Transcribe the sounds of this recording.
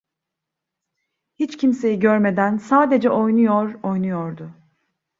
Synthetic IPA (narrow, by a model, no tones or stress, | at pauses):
hit͡ʃcʰimse̞jiɟøɾme̞d̪ænsaːd̪e̞d͡ʒɛʔo̞jnujoɾo̞jnujoɾd̪ʊ